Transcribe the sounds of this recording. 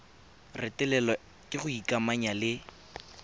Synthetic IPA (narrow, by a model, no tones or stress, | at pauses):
rɪtʼɛlɛlɔ | kʼɪχʊikʼamaɲalɪ